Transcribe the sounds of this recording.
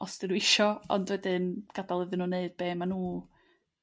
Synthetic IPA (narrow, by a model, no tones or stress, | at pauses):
ɔstɪɾuɪʃɔɔ̰ndwɛdɨnɡ̥adalˠəðɨnuːneɨd̥̚b̥eːmanuː